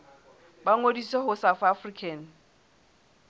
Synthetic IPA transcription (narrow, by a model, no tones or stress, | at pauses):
baŋodiseɦʊsafafrikʰɛn̩